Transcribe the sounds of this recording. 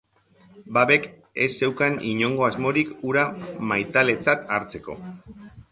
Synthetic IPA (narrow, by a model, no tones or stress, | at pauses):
baβe̞k | e̞se̞wkaniɲo̞ŋɡo̞azmo̞ɾikuɾamajt̪ale̞t͡sat̪aɾt͡se̞ko̞̰